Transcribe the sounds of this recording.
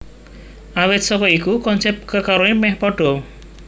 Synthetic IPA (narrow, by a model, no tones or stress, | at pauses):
awɛt̪̚sɔkɔikukɔnsɛp̚t̪̚kəkaɾoimɛhpɔɖ̥ɔ